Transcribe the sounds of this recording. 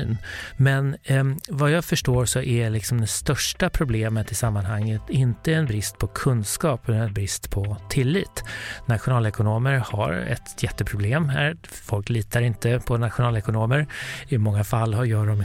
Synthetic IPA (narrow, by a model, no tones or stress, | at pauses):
nmɛnvajɑːɡfœʂʈoːɾsɔʔælɪksɔmd̪ɛst̪œʂʈapʰɾʊbleːmət̪ɪsamːanhaŋːət̪ɪnt̪əɛnbɾɪst̪̚pʰɔkʰɵnd̪skɑːpɛɛnbɾɪst̪pʰɔt̪ʰɪlːiːt̪nat̪ɧʊnɑːlɛkʊnoːməɾha̰ɾɛ̰t̪jɛt̪ːəpʰɾʊbleːmɦæːɾ | fɔlkliːt̪aɾɪnt̪əpʰɔnat̪ɧʊnɑːlɛkʊnoːməɾɪmɔŋːafalːhajœːɖɔm